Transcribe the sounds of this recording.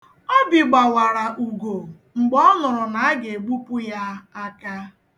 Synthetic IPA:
ɔ˦bi˨ɡ͡ba˨wa˨ɾa˨ʔu˨ɡo˨ | ŋ͡m̩˨ɡ͡bɔ˦nʊ˨ɾʊ˨na˨a˦ɡe˨ɡ͡bu˦pu˦ja˦a˦ka˦

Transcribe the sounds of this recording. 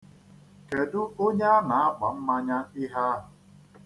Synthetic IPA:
ke˨dʊ˦o˦ɲe˦a˦na˨a˦ɡ͡ba˨m̩˦ma˦ɲa˦ɪ˦ɦa˦ɦʊ˨

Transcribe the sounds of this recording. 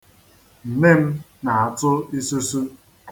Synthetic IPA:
n̩˨me˦m̩˦ | na˨a˨tʊ˦i˦su˦su˦

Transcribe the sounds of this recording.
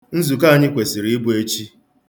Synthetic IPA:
n̩˦zu˨ka˦˨ɲɪ˦kʷe˨si˨ɾi˨˦bu˦e˦t͡ʃi˦

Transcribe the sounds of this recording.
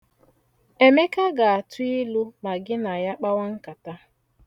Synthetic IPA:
e˨me˦ka˦ɡa˨a˨tʊ˦ɪ˦lu˦ma˨ɡɪ˦na˨ja˦k͡pa˦wa˦ŋ̩˦ka˨ta˦

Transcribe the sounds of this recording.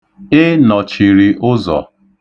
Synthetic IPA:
ɪ˦nɔ˨t͡ʃi˨ɾi˨ʔʊ˦zɔ̰˨

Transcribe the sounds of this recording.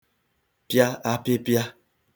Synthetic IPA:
pja˦a˦pe˦pja˦

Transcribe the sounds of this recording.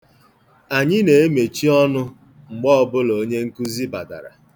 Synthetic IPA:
a˨ɲɪ˦ne˨e˦me˨t͡ʃi˦ɔ˦nʊ˦ | ŋ͡m̩˨ɡ͡bɔ˦ɔ˦bʊ˦lo˨˦ɲe˦ŋ̩˦ku˦zi˦ba̰˨da̰˨ɾa̰˨

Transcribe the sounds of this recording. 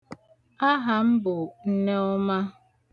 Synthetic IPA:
a˦ɦa˨m̩˦bʊ˨n̩˦ne˦ɔ˦ma˦

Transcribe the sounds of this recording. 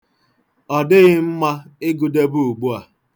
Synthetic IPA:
ɔ˨dɪ˦ɣɪ˦m̩˦ma˦ɪ˦ɡu˨de˦bu˦u˨ɡ͡bu˦a˨

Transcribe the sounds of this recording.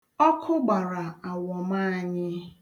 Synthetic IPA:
ɔ˦kʰʊ˦ɡ͡ba˨ɾa˨a˨wɔ˨ma˦a˨ɲɪ˦

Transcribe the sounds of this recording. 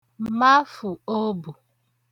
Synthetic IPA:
ma˦fu˨o˦bu˨

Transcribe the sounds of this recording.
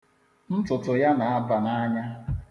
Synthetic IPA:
n̩˦tʊ˨tʊ˨ja˦na˨a˦ba˨na˦ɲa˦

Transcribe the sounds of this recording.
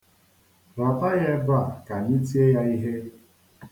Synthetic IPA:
ba˨fa˦jɛ˦ba˦˨ka˨ni˦ti˦e˦ja˦i˦ɦe˦

